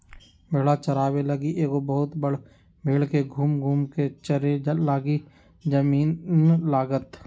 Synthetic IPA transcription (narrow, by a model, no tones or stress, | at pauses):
bʱɪɽat͡ʃɐɾaːbelɐɡiʔeːkobəɦʊt̪bəɽ | meːɽkeɡʱuːmɡʱuːmket͡ʃəɾelaːɡi | d͡ʒəmiːnlaːɡət̪